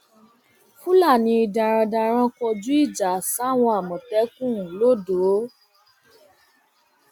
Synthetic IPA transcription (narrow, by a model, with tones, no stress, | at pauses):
fu˦la˦˨nĩ˧i˧dã˨ɾ̃ã˧dã˧ɾ̃ã˧kɔ˧d͡ʒu˦i˦˨d͡ʒa˨sa˦˨w̃ɔ̃˧a˨mɔ̃˨tɛ˨˦kũ˦˨ũ˨lo˦do˨˦